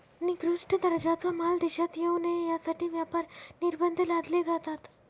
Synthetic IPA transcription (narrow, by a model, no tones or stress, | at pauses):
niɡɾuʂʈʰəd̪əɾd͡ʑat͡samald̪eɕat̪jewnejasaʈʰiːʋjapaɾniɾbənd̪ʱəlad̪led͡zat̪at̪